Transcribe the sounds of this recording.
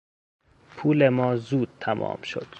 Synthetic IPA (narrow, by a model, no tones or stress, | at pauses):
pʰuːlemɒːzuːd̪̥̚t̪ʰæmʔɒ̰ːmʃo̞̰d̪̥